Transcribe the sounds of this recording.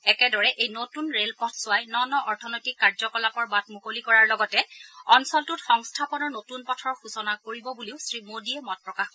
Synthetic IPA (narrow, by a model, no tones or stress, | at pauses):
ɛkɛdɔɹɛʔejnotunɹelpɔtʰsʊajnɔnɔʔɔɹtʰɔnojtikːaɹzɔkɔlapɔɹbatmukolikɔɹaɹlɔɡɔtɛɔnsɔltʊtxɔŋstʰapɔnɔɹnotunpɔtʰɔɹxusɔnakoɹibɔbuliʊsɹimodiɛmɔt̚pɹɔkaxɔ